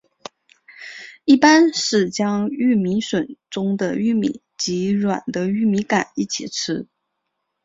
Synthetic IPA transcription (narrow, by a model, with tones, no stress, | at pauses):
i˥˩pa˥nʂɻ̩˥˩t͡ɕjɑ˥ŋy˥˩mi˧˥nʂwə˨˩nʈ͡ʂʊ˥ŋd̪ə˨y˥˩mḭ˨˩˦ | t͡ɕi˧˥ɻwa̰˨˩nd̪ə˦y˥˩mi˧˥ka˨˩ni˥˩t͡ɕʰḭ˨˩ʈ͡ʂʰɻ̩˥